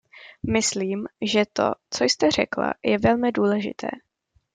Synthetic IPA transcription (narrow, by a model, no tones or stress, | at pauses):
mɪsliːmʒɛt̪o̞̰t͡sojst̪ɛr̝ɛkla̰jɛvɛlmɪduːlɛʒɪ̰t̪ʰɛ̰ː